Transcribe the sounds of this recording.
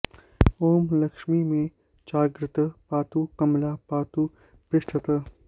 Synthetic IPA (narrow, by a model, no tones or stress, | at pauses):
oːmlɐkʂmimẽ | t͡ʃaːɡɾɪt̪əpaːt̪uːkɐmlaːpaːt̪u | pɪʂʈʰət̪ə